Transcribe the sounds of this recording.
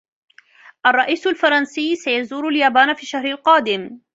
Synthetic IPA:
ʔɑrˤːɑʔiːsalfɑɾˤɑnsiːsajazuːɾaljaːbaːnfiːʃahɾalqɑːd̪ɪm

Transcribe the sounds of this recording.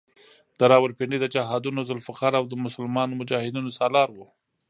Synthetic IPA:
d̪̥əɾɑwəlpeɳɖid̪əd͡ʒaɦɑd̪unozʊlfaqɑɾawd̪əmʊsəlmɑnomʊd͡ʒɑhɪd̪unosɑlɑɾwo

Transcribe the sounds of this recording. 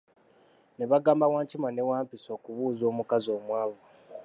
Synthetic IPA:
neβaɡaːmbawaːɲcimanewaːmpiso̞ːkuβuːzo̞ːmukazo̞ːmwaːβo

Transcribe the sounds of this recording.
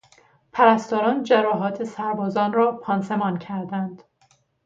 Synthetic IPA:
pʰæɾæst̪ɒːɾɒːnd͡ʒæɾɒːɦɒːt̪ʰesæɾbɒːzɒːnɾɒːpʰɒːnsemɒːncʰæɾd̪ænd̪̥

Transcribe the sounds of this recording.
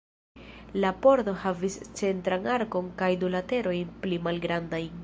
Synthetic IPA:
lapo̞ɾto̞havist͡se̞ntɾaŋaɾko̞ŋkajdulate̞ɾo̞jnplimalɡɾandajn

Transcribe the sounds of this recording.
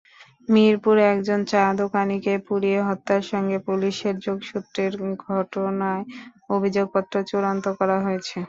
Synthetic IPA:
miɾpuɾɛkd͡ʑont͡ɕad̪okanikepuɽieɦɔt̪ːaɾʃɔŋɡepuliʃeɾd͡ʑoɡʃut̪ːɾeɾɡʱɔʈonaeobʱid͡ʑoɡ̚pɔt̪ːɾot͡ɕuɾant̪okɔɾaɦojet͡ɕʰe

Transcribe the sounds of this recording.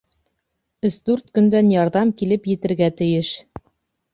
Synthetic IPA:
ɵ̆sd̪ʉɾt̪kɵ̆nd̪ænjɑɾðɑmkilɘpjɘ̆t̪ɘ̆ɾɡæt̪ɘ̆jɘʃ

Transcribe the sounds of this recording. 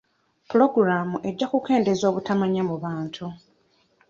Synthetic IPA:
pulo̞ɡuɾaːmuʔe̞ɟːakuke̞ːnde̞zo̞ːβutamaɲamuβaːntʰu

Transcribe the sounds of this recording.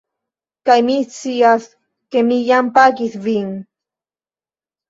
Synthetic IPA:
kajmiθt͡sias | kemijampakisviŋ

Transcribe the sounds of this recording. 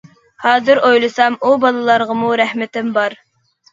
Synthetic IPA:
hɑːzɨɾojlˠɨsɑmubɑlˠɨlˠɑɾʁəmuɾæhmɪt̪ɪmbɑɾ

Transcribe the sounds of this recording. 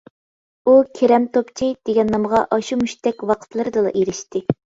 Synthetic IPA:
ukʲʰeɾɛmt̪ʰopt͡ʃʰid̪̥eɡʲɛnːɑməʁɑʔɑʃumyʃt̪ɛkʲwɑqʰə̥t̪ʰlˠɨɾɨd̪ɨlˠɑ̰ʔeɾɪʃt̪ɪ

